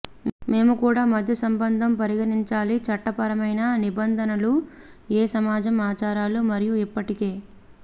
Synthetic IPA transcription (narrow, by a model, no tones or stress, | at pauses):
me̞ːmukuːɽaːmɐd̪ʱjɐsɐmbɐnd̪ʱɐmpɐɾiɡɐniɲt͡ʃaːlit͡ʃɐʈːɐpɐɾɐmɐjnɐnibɐnd̪ʱɐnɐlueːsɐmaːd͡ʒɐmaːt͡ʃaːɾaːlumɐɾijuipːɐʈike̞ː